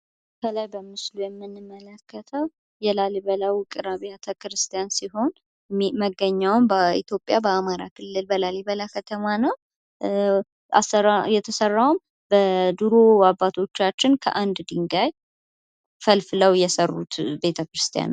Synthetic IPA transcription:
kʰəlajbəmɨslujɛmːɨnːɨmːələkʰːət̪ʰəw | jɛlaliβəlawkʼɨɾaβiat̪ʰəkɾɨst̪ʰijansiɦo̞n | məɡːəɲːawmbəḭt̪ʰjo̞pʼjabəamaɾakʰɨlːɨlbəlaliβəlakʰət̪ʰəmanəw | a̰səajɛt̪ʰəsərːawʊm | bəd̪uɾo̞wabːat̪ʰo̞t͡ʃːat͡ʃːɪnkʰə̰ʔand̪d̪iŋɡaj | fəlfɨləwjɛsərːut̪be̞t̪ʰəkɾɨst̪ʰija̰n

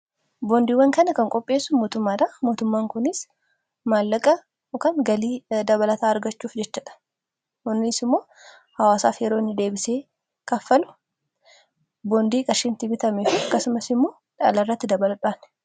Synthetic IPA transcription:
bond̪iːwɐŋkɐnɐkɐŋkʼɔpʼːe̞ːsːʊmo̞ːt̪ʊmːaːᶑɐmo̞ːt̪ʊmːaːŋkʊnɪs | maːlːɐkʼɐ | kɐŋɡɐliːd̪ɐβɐlɐt̪aːɐɾɡɐt͡ʃːuːfd͡ʒɛt͡ʃːɐᶑɐ̥ | ʊnːɪsɪmːo̞ː | hɐwaːsaːfjɛɾo̞ːɪnːɪd̪e̞ːbɪseː | kɐfːɐlʊ̥ | boːnd̪iːkʼɐʃɪnt̪ɪbɪt̪ɐmefiːɐkːɐsʊmɐsɪmːo̞ː | ᶑɐ̰lɐrːɐt̪ːɪd̪ɐbɐlɐᶑʊaːn

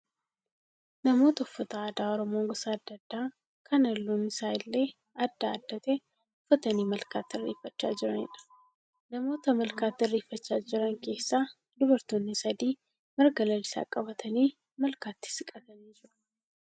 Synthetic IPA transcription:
nɐmo̞ːt̪ɐʊfːɐt̪ɐaːd̪aːɔɾɔmo̞ːŋɡɔsɐɐd̪ːɐd̪ːaː | kʰɐnɐlːuːnɪsaːɪlːe̞ː | ɐd̪ːaːd̪ːɐt̪ɛ | ʊfːɐt̪ɐniːmɐlkaːt̪ːɪɪrːḛːfːɐt͡ʃːa̰ːd͡ʒɪɾɐnɪ̰ᶑɐ̥ | nɐmo̞ːt̪ɐmɐlkaːt̪ːɪɪrːeːfːɐt͡ʃːaːd͡ʒɪɾɐŋke̞ːsːaː | d̪ʊβɐɾt̪oːnːɪsɐd̪iː | mɐɾɡɐlɐlɪsa̰kʼɐbɐt̪ʰɐniː | mɐlkaːt̪ːɪ̥sɪkʼɐt̪ɐniːd͡ʒɪɾʊ̥

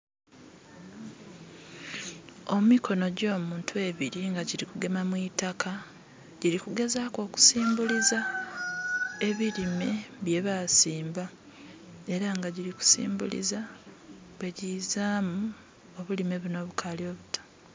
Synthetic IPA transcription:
o̞mumikʰo̞no̞ɟo̞ːmuːntue̞βiɾiŋɡaɟiɾikuɡe̞mamwitaka | ɟiɾikuɡe̞zako̞ːku̥siːmbuliza | e̞βiɾimeβje̞βasiːmba | e̞ɾaŋɡaɟiɾiku̥sḭːmbṵlḭza | βwe̞ɟizaːmu | o̞βulime̞βuno̞ːβukʰalio̞βutḁ

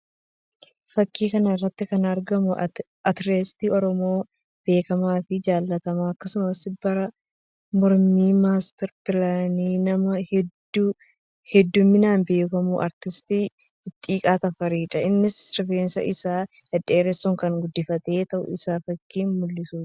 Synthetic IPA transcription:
fɐkːiːkɐnɐɪrːɐt̪ːɪkɐnɐɾɡɐmʊ | ɐt̪ɾeːst̪iːɔɾɔmo̞ː | b̥e̞ːkɐmaːfɪd͡ʒaːlːɐt̪ɐmaɐkːɐsʊmɐsbɐɾɐ | mɔɾmiːmaːst̪ɛɾpɪlaːniːnɐmɐhd | hɛd̪ːʊmːɪnaːnbe̞ːkɐmuʔɐ̰ɾt̪ɪst̪iː | ɪt̪ʼːiːkʼaːt̪ɐfɐɾiːᶑɐɪnːɪsɾɪfeːnsɐ̰ʔɪsaː | dɛd̪eːɾɛsːʊŋkɐŋɡʊd̪ːɪfɐt̪ʼeːt̪ɐʔʊ̰ɪsaːfɐkːiːnmʊlːɪsuːt̪ɐ̥

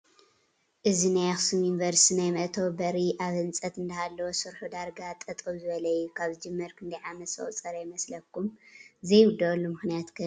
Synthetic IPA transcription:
ʔɨzinajaxsumjunivɐɾst̪ʰinajmɐʔt̪ʰowbɐɾiʔaβhɨnt͡sʼɐt̪ɨnd̪ahalːɐwosɨɾħud̪aɾɡat̪ʼɐt̪ʼɐβzɨβɐlɐjukʰaβzɨd͡ʒɨmːɐɾkʰɨnd̪ajʕamɐt̪sɐ̰ʔʼt͡sʼɐɾɐjmɐslɐkʰumzɐjwʊd̪ɐlːumɨxnijat̪kʰɨ

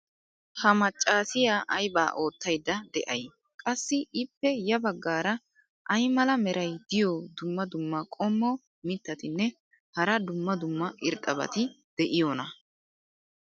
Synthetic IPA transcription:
hɐmɐt͡ʃʼːaːsɪjaːʔɐjba̰ːʔo̞ːt̪ːɐjd̪ːɐd̪ɛʔɐj | kʼɐsːɪʔɪpːɛjɐbɐɡːaːɾɐ | ʔɐjmɐlɐmɛɾɐjd̪ɪjod̪ʊmːɐd̪ʊmːɐkʼɔmːɔ | mɪt̪ːɐt̪ɪnːɛ | hɐɾɐd̪ʊmːɐd̪ʊmːɐʔɪɾt̪ʼɐbɐ̰t̪ɪd̪̥ɛʔɪjoːnɐ

